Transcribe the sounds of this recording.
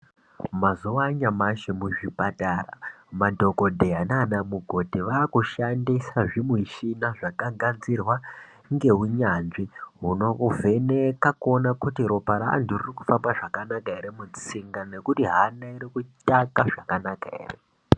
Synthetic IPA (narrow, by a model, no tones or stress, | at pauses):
mazuwaɲamaʃemuʐipataːra̰madʱo̞ko̞dʱeananamuɡʱo̞dʱiʋaːkuʃandisaʐimwiʃinaʐakaɡanzirwa | ŋɡe̞ɦuɲanʐiɦuno̞uvʱe̞nekakonakutiɾo̞paɾa̰ːndiririku̥fambaʐakanakaeɾemut͡siŋɡane̞kutiɦanaiɾikutakaʐakanakaḛːre